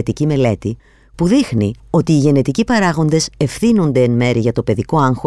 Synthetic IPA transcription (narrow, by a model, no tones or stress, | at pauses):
t̪icime̞le̞t̪i | puðixnio̞t̪iːʝe̞ne̞t̪icipɐɾɐɣo̞nd̪e̞se̞fθino̞nd̪e̞ːnme̞ɾiʝɐt̪o̞pe̞ðiko̞ɐŋxo